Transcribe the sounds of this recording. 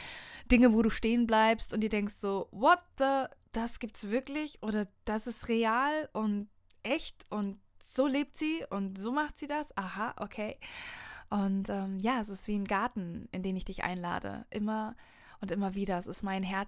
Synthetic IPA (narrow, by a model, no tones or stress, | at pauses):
d̥ɪŋəvoːɾuːʃteːənblaɪpstʊntd̥iːdɛŋkstz̥oːvɔt̚ðəd̥asɡ̥iːp̚tsv̥ɪɐklɪçʔoːɾɐd̥asɪstʁeaːlʔʊnt | ʔɛçtʔʊntz̥oːleːp̚tz̥iːʊntz̥oːmaχtz̥iːdasʔaɦaʔokʰeɪ | ʔʊntʔɛːmjaːɛs̬ɪstv̥iːnɡaɐtn̩ʔɪndeːnɪçd̥ɪçʔa̰ɪnla̰ːdə̰ʔɪmɐ | ʔʊntʔɪmɐviːɾɐɛsɪstmaɪnɦɛɐ